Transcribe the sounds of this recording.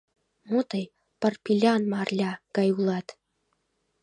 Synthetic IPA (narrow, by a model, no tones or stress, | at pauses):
mot̪əj | parpʲilʲɑnmɑrlʲɑɡ̥ɑjulˠɑt̪